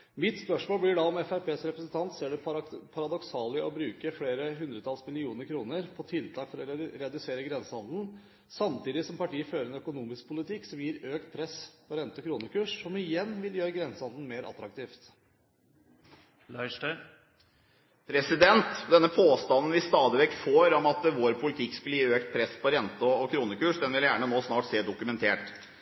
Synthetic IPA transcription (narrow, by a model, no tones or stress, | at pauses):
mɪt̪spœʂmoːblɪɖɑɔmɛfæɾpʰeːsɾɛpɾəsənt̪ʰɑnt̪seːɖɛpʰɑɾɑd̪ɔksɑːləʔɔbɾʉːkəfɽeːɾəɦʉnd̪ɾət̪ʰɑlsmɪlɪuːnəɾkʰɾuːnəɾpʰɔt̪ʰɪlt̪ʰɑːkfɔɾɔɾɛɑd̪ɪseːɾəɡɾɛnsəɑnd̪n̩ | sɑmt̪iːd̪ɪsɔmpɑʈiːəføːɾəɛnœkʊnuːmɪsk̚pʰʊlɪt̪ʰɪkːsɔmjiːɾøːkt̪̚pʰɾɛspʰɔɾɛnt̪əkʰɾuːnəkʉːʂsɔmɪjɛnːʋɪljøːɾəɡɾɛnsəɑnd̪n̩meːɾʔɑ̰t̪ɾɑkt̪ʰiːft̪ | lɑɪʂʈa | pʰɾɛsɪd̪ɛnt̪d̪ɛnːəpʰoːst̪ɑnn̩ʋɪst̪ɑːd̪ɪʋɛkt̪foːɾɔmɑt̪ʋoːɾpʰʊlɪt̪ʰɪkːskʉləjiːøːkt̪̚pʰɾɛsːpʰɔɾɛnt̪əɔkʰɾuːnəkʉːʂd̪ɛnʋɪljæːɳənoːsnɑːʈseːd̪ʊkʉmɛnt̪ʰeːʈ